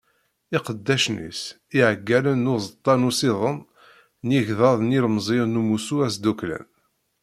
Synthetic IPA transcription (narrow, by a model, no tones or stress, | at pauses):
ɪqəd̪ːæʃnḭs | iʕəɡːælənːʊzət̪ˤːɑnusiðˤən | niʝðɑðˤnilmzˤiɾnumusuæsd̪uklæ̰n